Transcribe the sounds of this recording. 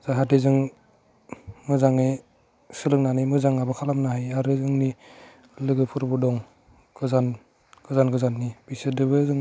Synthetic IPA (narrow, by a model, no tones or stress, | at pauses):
zaɦatezɯŋ | mɯzaŋe | sɯlɯk̚nanimɯzaŋabɯkʰalamnaɦajaɾɯzɯŋni | lɯɡɯpʰɯɾbɔdɔŋ | ɡ̥ɯzan | ɡ̥ɯzanɡɯzanːib̥isɯdɯbɯzɯŋ